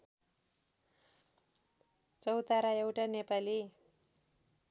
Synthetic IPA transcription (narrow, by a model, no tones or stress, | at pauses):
t͡sʌwt̪aɾaewʈanepali